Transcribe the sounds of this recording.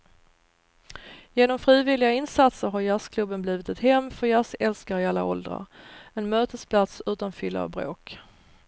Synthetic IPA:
jeːnɔmfɾiːvɪlɪɡaɪnsat̪səɾɦaɾjaskʰlɵbːənbliːvɪt̪ɛt̪hɛmːfœɾjasɛlskaɾɪalːa̰ʔɔ̰ld̪ɾa̰ɾɛnmøːt̪əspʰlat̪sʉ̟ːt̪anfʏlːa̰bɾo̰ːk

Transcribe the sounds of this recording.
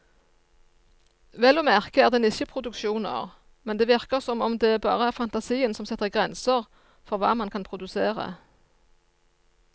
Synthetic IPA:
ʋɛlɔmæʁkəæːʁd̪ɛnɪçəpʰʁʊd̪ʉkʃuːnɑ̰ːʁ | mɛnd̪eːʋɪʁkəʁsɔmɔmd̪eːæbɑ̰ːʁəæʁfɑnt̪ɑsiːənsɔmsɪt̪ːəʁɪɡʁɛnsəʁ | fɔʁʋɑ̰ːmɑnkʰɑnpʰʁʊd̪ʉseːʁə̰

